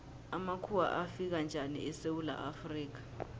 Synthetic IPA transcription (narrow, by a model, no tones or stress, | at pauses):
amakʰuwa̰ʔafik̬and͡ʒʱanḭɛsewula̰ʔafriːk̬ḁ